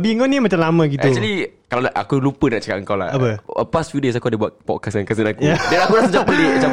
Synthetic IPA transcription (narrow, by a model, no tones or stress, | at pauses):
biəŋkonimat͡ʃamlamə̃ɡiɛk̚t͡ʃulikalaa̰kulupənaʔt͡ʃaka̰ʔ̚əŋkawla̰həpəəpastfjudes̬akuadəbuat̪̚pɔt̚kasankas̬ənakujadəlakulasəd͡ʒapəlimat͡ʃa